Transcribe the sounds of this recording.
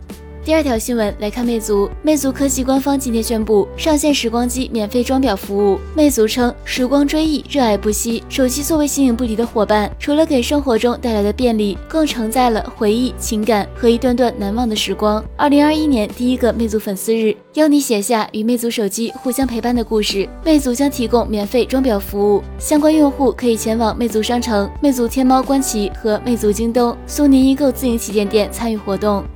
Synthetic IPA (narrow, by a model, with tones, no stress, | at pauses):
t̪i˥˧ɐ˞˥˩t̪ʰjɑ˧˥ʊɕi˥nwə˧˥nla˧˥ɪkʰa˥˧nme˥˩ɪt͡su˧˥me˥˩ɪt͡su˧˥kʰɤ˥ɕi˧˥kwa˥nfɑ˥ŋt͡ɕi˥nt̪ʰjɛ˧˥nɕɥɛ˥npu˥˩ʂɑ˥˧ŋɕjɛ˥˩nʂɻ̩˧˥kwɑ˥ŋt͡ɕi˥mjɛ˨˩nfe˥˩ɪʈ͡ʂwɑ˥ŋpjɑ˨˩ʊfu˧˥u˥˩me˥˩ɪt͡su˧˥ʈ͡ʂʰɤ˥ŋʂɻ̩˧˥kwɑ˥ŋʈ͡ʂwe˥ɪi˥˧ɻɤ˥˧a˥˩ɪpu˥˩ɕi˥ʂo˨˩ʊt͡ɕi˥t͡swɔ˥˩we˧˥ɪɕi˥ŋi˧˥ŋp̬u˥˩li˧˥d̪ə˧xwɔ˨˩pa˥˩nʈ͡ʂʰu˧˥lə˧ke˨˩ɪʂɤ˥ŋxwɔ˧˥ʈ͡ʂʊ˥ŋt̪a˥˩ɪla˧˥ɪd̪ə˧pjɛ˥˧nli˥˩kɤ˥˩ŋʈ͡ʂʰɤ˧˥ŋt͡sa˥˩ɪlə̰˩xwe˧˥ɪi˥˩t͡ɕʰi˧˥ŋka˨˩˦nxɤ˧˥i˧˥t̪wa˥˧nt̪wa˥˩nna˧˥nwɑ˥˩ŋd̪ə˩ʂɻ̩˧˥kwɑ˥ŋɐ˞˥˩li˧˥ŋɐ˞˥˧i˥njɛ˧˥nt̪i˥˩i˥ɡə˧me˥˩ɪt͡su˧˥fə˨˩nsɹ̩˥ɻɻ̩˥˩ | jɑ˥ʊni˧˥ɕjɛ˨˩ɕja˥˩y˨˩me˥˩ɪt͡su˧˥ʂo˨˩ʊt͡ɕi˥xu˥˩ɕjɑ˥ŋpʰe˧˥ɪpa˥˩nd̪ə˩ku˥˧ʂɻ̩˥˩me˥˩ɪt͡su˧˥t͡ɕjɑ˥ŋt̪ʰi˧˥kʊ˥ŋmjɛ˨˩nfe˥˩ɪʈ͡ʂwɑ˥ŋpjɑ˨˩ʊfu˧˥u˥˩ | ɕjɑ˥ŋkwa˥njʊ˥˧ŋxu˥˩kʰɤ˧˥i˨˩t͡ɕʰjɛ˧˥nwɑ˨˩ŋme˥˩ɪt͡su˧˥ʂɑ˥ŋʈ͡ʂʰɤ˧˥ŋme˥˩ɪt͡su˧˥t̪ʰjɛ˥nmɑ˥ʊkwa˥nt͡ɕʰi˧˥xɤ˧˥me˥˩ɪt͡su˧˥t͡ɕi˥ŋt̪ʊ˥ŋ | su˥ni˧˥ni˧˥ko˥˧ʊt͡sɹ̩˥˩i˧˥ŋt͡ɕʰi˧˥t͡ɕjɛ˥˧nt̪jɛ˥˩nt͡sʰa˥ny˥˩xwɔ˧˥t̪ʊ˥˩ŋ